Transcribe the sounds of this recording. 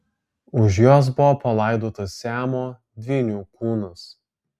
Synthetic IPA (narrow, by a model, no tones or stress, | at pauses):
ʊʃjoːs̬bʊʋopɐlˠɑˑɪd̪oːt̪ɐsːʲæːmoː | d̪ʲʋʲɪnʲuːkuːnʊs